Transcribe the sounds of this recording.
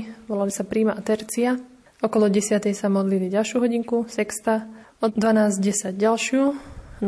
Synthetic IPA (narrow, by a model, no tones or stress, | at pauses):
ʋɔlalisapɾiːmaʔat̪ɛɾt͡sia | ɔkɔlɔɟɛsɪat̪ɛjsamɔd̪liliɟalʃjuɦɔɟiŋkusɛkst̪a | ɔd̪ʋanaːzɟɛsaɟɟalʃɪun